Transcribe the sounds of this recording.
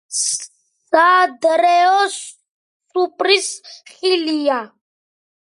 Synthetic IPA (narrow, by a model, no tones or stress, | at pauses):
ad̪ɾɛɔsː | upʼɾisχilija